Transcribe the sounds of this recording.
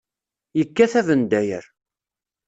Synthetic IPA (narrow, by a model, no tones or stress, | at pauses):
jəkːæθævənd̪æjə̰ɾ